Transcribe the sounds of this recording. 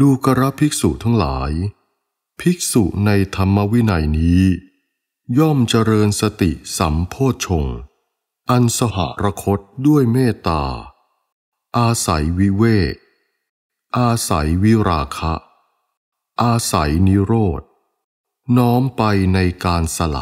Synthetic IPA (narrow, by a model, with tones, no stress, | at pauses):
duː˧ka˧ɾa˦˥pʰi˦˥k̚sṵ˨˩t̪ʰa˦˥ŋla̰ː˩˦j | pʰi˦˥k̚sṵ˨˩ʔna˧jt̪ʰa˧mːa˦˥wi˦˥na˧jniː˦˥ | jɔ˥˩mt͡ɕa˧ɾɤː˧nsa˧t̪ḭ˨˩sa̰˩˦mpʰoː˥˩t̪̚t͡ɕʰo˧ŋ | ʔa˧nsa˧ɦa̰˩˦ɾa˧kʰo˦˥t̪̚du˥˩əjmeː˥˩t̪a̰ː˧ | ʔaː˧sa̰˩˦jwi˦˥weː˥˩k̚ | ʔaː˧sa̰˩˦jwi˦˥ɾaː˧kʰa˦˥ʔ | ʔaː˧sa˩˦jni˦˥ɾoː˥˩t̪̚ | nɔː˦˥mpa˧jna˧jkaː˧nsa˧la̰˨˩